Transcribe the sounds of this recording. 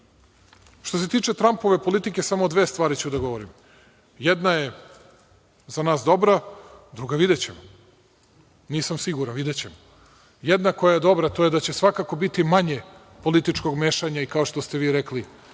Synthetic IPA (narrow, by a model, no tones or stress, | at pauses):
ʃt̪o̞s̬e̞t̪iːt͡ʂe̞t̪ɾampo̞ʋe̞po̞lit̪ike̞samod̪ʋeːst̪ʋaːɾit͡ɕud̪aɡo̞ʋoɾim | jɛd̪naje | zanaːsd̪o̞bɾad̪ɾuɡaʋid̪et͡ɕemo | niːsamsiɡuɾanʋid̪et͡ɕe̞mo | jed̪nako̞jajed̪o̞bɾat̪oje̞d̪at͡ɕe̞sʋakako̞bit̪imaɲe̞ | po̞lit̪it͡ʂko̞ɡmeːʃaɲaikaoʃt̪ost̪e̞ʋiːɾekli